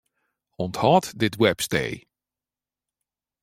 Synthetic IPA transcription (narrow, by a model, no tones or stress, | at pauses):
ɔnthɑːtdɪtwɛpstḛj